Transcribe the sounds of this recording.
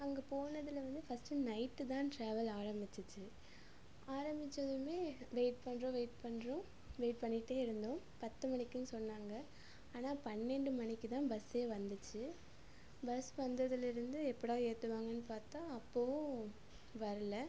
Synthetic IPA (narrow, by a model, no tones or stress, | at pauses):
ɐŋɡɐpoːnɐðɪlɐʋɐnd̪ɯfɐsʈɯnɐɪʈːɯt̪ãːʈɾaːʋɐlaːɾɐmbɪt͡ʃːɯt͡ʃːɯ | aːɾɐmbɪt͡ʃːɐðɯmeːʋeːʈ̚pɐɳɾõːʋeːʈ̚pɐɳːɾõ | ʋeːɪʈ̚pɐɳːɪʈːeːɪɾɯnd̪õ | pɐt̪ːɯmɐnɪkːɯnːɯsɔnːaːŋɡɐ | aːnaːpɐnːɛɳɖɯmɐnɪkːɯt̪ãːbɐseːʋɐnd̪ɯt͡ʃːɯ | bɐsʋɐnd̪ɐðɪlɪɾɯnd̪ɯɛpːɐɽoːeːt̪ːɯʋaːŋɡɐnːɯpaːɾt̪ãːɐpːoːʋʊ̃ | ʋɐɾɯlɐ